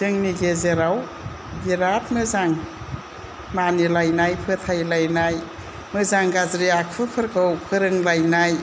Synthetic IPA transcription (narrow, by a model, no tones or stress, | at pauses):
zɯŋniɡezeɾaw | biɾat̚mɯzaŋ | manilajnajpʰɯtʰajlajnaj | mɯzaŋɡazɾijak̚pʰɯpʰɯɾkʰɯwpʰɯɾɯŋlajnaj